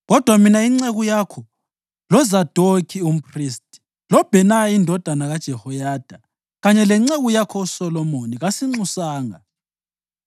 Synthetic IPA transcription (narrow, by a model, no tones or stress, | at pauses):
ɣɔd̥ʱwaminaiŋ͡ǀeɣujakʰɔ | lɔzad̥ʱokʰium̩pʰristʼi̥ | lɔb̥ʱɛnaindʱɔd̥ʱanaɣad̥ʒ̥ʱɛhɔjaːd̥ʱa | ɣaɲɛlɛŋ͡ǀeɣujakʰɔusɔlɔmoniɣasiŋ͡ǀusaːŋa̰